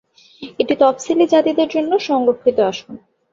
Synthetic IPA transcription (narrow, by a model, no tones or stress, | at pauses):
eʈit̪ɔpsilid͡ʑat̪id̪eɾd͡ʑonːoʃɔŋɾokʰːit̪oaʃun